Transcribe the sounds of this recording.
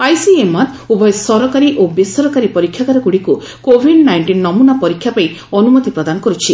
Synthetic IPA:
ajsiemat̪ | ubɔesɔɾɔkaɾiʔobisɔɾɔkaɾipɔɾikʰːjakaɾɔkuɽiku | kobʱiɖnajɳʈinːɔmunapɔɾikʰːjapai | ɔnumɔt̪ipɾɔd̪anɔkɔɾut͡ʃʰi

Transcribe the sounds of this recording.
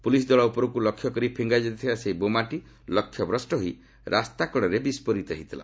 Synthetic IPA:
pulis̬d̪wɔɭaupɔɾɔkulɔkʰːjɔkɔɾipʰiŋɡajd͡ʒɔt̪t̪ʰibaseɦibomaʈi | lɔkʰjɔbɾɔsʈɔɦoi | ɾʔast̪akɔɽɔɾebispɔɾit̪ɔɦit̪ila̰

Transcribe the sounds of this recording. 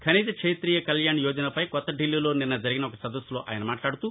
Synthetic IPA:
kʰɐniːt̪ɐkʂeːjt̪ɾiːjɐkɐljaːɳjɔːd͡ʒɐnɐpɐjkɔt̪ːɐɖilːiːlo̞ːninːɐd͡ʒɐɾiɡinɐɔkɐsɐd̪ɐsulo̞ːʔa̰ːjɐnɐmaːʈlaːɽut̪u

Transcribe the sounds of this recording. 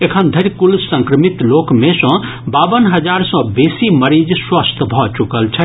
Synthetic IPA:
ekʰənd̪ʱəɾkulsə̃ŋkɾəmit̪lokmesʌ̃ | babənɦəd͡ʒaɾsʌ̃besiməɾid͡ʒswast̪ʰbʱɔt͡ʃukəlt͡ʃʰə

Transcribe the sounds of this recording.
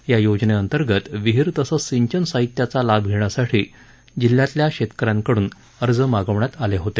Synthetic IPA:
jajod͡ʑneənt̪əɾɡət̪ʋiɦiɾt̪əsəsiɲt͡ɕənsaɦit̪jat͡salabʱɡʱeɳ̃jasaʈʰiː | d͡ʑilːjat̪ljaɕet̪kəɾãŋkəɽuːn | əɾd͡zəmaɡəʋɳjat̪aleɦot̪e

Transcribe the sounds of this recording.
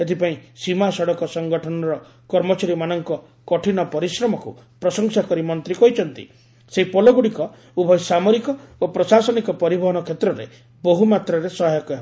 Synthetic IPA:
et̪ʰipaĩsimasɔɽɔkɔsɔŋɡɔʈʰɔnɔɾɔ | kɔɾmɔt͡ʃaɾimanɔŋkɔ | kɔʈʰinɔpɔɾisɾɔmɔkṵ | pɾɔsɔŋsakɔɾimɔnt̪ɾikɔɦit͡ʃʰɔnt̪ḭ | seɦipɔlɔɡuɽikɔ | ubʱɔjsamɔɾikɔopɾɔsasɔnikɔpɔɾibɔɦɔnɔkʰet̪ɾɔɾe | boɦumat̪ɾɔɾesɔɦajɔka

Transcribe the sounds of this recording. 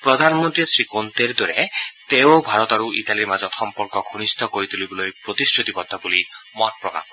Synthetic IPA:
pɾɔd̪ʱanɔmɔnt̪ɾisɹikont̪eɾd̪ɔɾɛt̪ewobʱaɾɔt̪aɾuʔḭt̪aliɾmazɔt̪xɔmpɔɾkɔɡʱonist̪ʰɔkoɾit̪ʰulibɔlojpɾot̪isɾut̪ibɔd̪ʱɔbulimɔt̚pɾɔka̰

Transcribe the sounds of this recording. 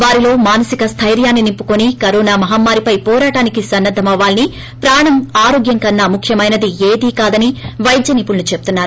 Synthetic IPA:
ʋaːɾilo̞ːmaːnɐsikɐst̪ʰɐjɾjaːnːinimpːukonikɐɾoːnaːmɐɦɐmːaːɾipɐjpɔːɾaːʈaːnikisɐnːɐd̪ʱːɐmɐʋaːlni | pɾaːɳɐmaːɾo̞ːɡjɐŋkɐnːamukʰjɐmɐjnɐd̪ieːd̪iːkaːd̪ɐniʋɐjd̪jɐnipuɭnut͡ʃe̞bu̥t̪unːaːɾu

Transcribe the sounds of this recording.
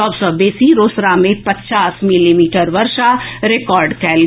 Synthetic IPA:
ɔːbsɔbeːsiɾoːsɾamẽpɐtt͡ʃaːsmɪlimiːʈəɾʋɐɾʃaɾekɔːɾɖkɛːl

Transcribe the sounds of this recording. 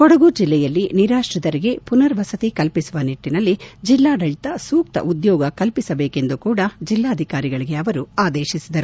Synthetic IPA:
kɔɽɐɡud͡ʒilːɛjɐlːiniɾaːʂɾɐd̪ɐɾiɡe̞punɐɾʋɐsɐt̪ikɐlpisuʋɐniʈːinɐlːid͡ʒilːaːɖɐɭt̪ɐsuːk̚t̪ɐ̰ʔud̪jɔːɡɐkɐlpisɐbeːke̞nd̪ukuːɽɐd͡ʒilːaːɐd̪ʱikaːɾiɡɐɭiɡe̞ɐʋɐɾuaːd̪eːʃisid̪ɐɾu

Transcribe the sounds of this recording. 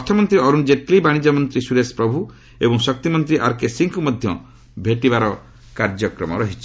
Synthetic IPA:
pɔt̪ʰɔmɔnt̪ɾiɔɾund͡ʒeʈ̚klibaɽ̃id͡ʒɔmɔnt̪ɾisuɾespɾɔbʱu | ebɔŋsɔk̚t̪imɔnt̪ɾiʔaɾkesiŋkumɔd̪ʱjɔ | bʱeʈibaɾɔ | kaɾd͡ʒɔkɾɔmɔɾɔɦit͡ʃʰi̥

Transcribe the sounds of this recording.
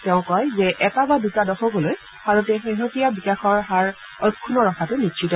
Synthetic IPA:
tɛʊ̃kɔjzɛʔɛkabadutadɔxɔɡoloj | bʰaɹutɛxeɦotijabixexɔɹɦaɹ | ɔjkʰːunɔɹɔxʰatʊnitʃʰitɔ

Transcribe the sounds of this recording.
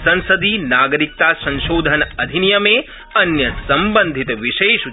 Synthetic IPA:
sɐ̃nsəd̪ʱinaːɡəɾik̚t̪asɐ̃nʃoːd̪ʱənɐd̪ʱinijɐme | ɐnjəsɐmbənd̪ʱit̪ʋiʃeːʃu

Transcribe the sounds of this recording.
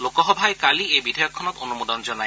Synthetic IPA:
lokɔɦɔbʱaekaliejbid̪ʱajɔkʰːɔnɔt̪onumod̪ɔnd͡ʒɔna

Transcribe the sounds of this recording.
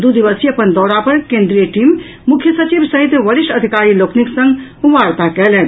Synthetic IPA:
d̪ud̪iʋəsiɐpənd̪ɔːɾapɐɾkẽːnd̪ɾijəʈiːm | mʊkʰjəsɐt͡ʃibsəɦit̪ʋəɾɪʃʈəd̪ʱikaːɾiloːkʰniksə̃ŋɡʋaːɾt̪akɛɦlɛːn

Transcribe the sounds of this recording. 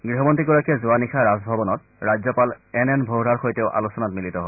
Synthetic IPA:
ɡɹiɦɔmɔntiɡɔɹakɛzʊanixʰaɹazbʱɔbɔnɔt | ɹazɔpalɛnɛnbʱowɹaɹxojteʊʔa̰lusɔnatmilitɔɦɔ

